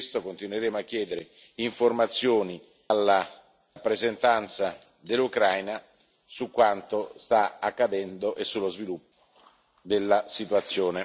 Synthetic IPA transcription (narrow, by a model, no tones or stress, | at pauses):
st̪okont̪inweɾeːmoakːjɛːd̪eɾe | iɱformat̪sːjoːni | alːa | pːɾezent̪ant̪sa | d̪elːukɾajna | sukːwant̪ost̪aakːad̪ɛnd̪oʔesːulːozvilupːo | d̪elːasit̪uat̪sːjoːne